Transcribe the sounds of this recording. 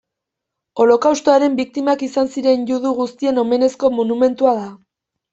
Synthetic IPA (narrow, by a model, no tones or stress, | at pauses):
o̞lo̞kawst̪o̞aɾe̞mbik̚t̪imakisansiɾe̞njuðuɣust̪ie̞no̞me̞ne̞sko̞monume̞nt̪uaða